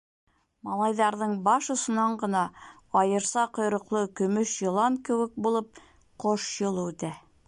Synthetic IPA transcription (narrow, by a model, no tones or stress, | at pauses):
mɑlˠɑjðɑɾðɤɴbɑʃŏsŏnɑɴɢɤ̆nɑ | ɑjɤ̆ɾsɑqŏjɾŏqlˠɤkɵ̆mɵʃjɤ̆lˠɑŋkɘ̆wɘ̆k̚bulˠɤp̚ | qoʃjɤ̆lˠud̪æ